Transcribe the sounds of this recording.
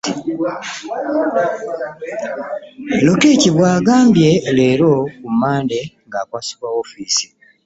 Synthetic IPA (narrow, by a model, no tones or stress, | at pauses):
i | lokeːciβwaːɡaːmbje̞leːɾo̞kumaːnde̞ŋɡaːkwaːsi̥kwaofiːsi̥